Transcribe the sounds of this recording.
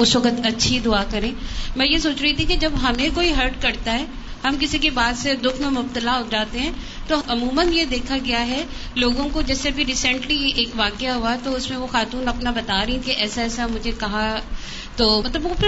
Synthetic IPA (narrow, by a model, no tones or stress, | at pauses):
ʊsʋɐkət̪ɐtːʃʰid̪ʊakɐɾẽːmɛ̃ːjesoːt͡ʃɾɐɦit̪ʰĩkid͡ʒɐbɦɐmẽkoːiɦəɾʈkɐɾt̪aɦɛː | hɐmkɪsikebaːd̪sed̪ʊkʰmẽmʊb̚t̪əlaɦod͡ʒaːt̪eɦɛ̃ː | t̪oɐmuːmənjed̪eːkʰaɡɐjaɦɛloːɡõkod͡ʒɛːsebʱiɾiːsɛ̃ɳʈlieːkʋaːkeaɦuat̪oʊsmẽʋoxaːt̪uːnɐpnabɐt̪aːɾɐɦĩkeʔɛːsaɛːsamʊd͡ʒʱekɐɦa | t̪oːmɐt̪ləbopʰɪɾ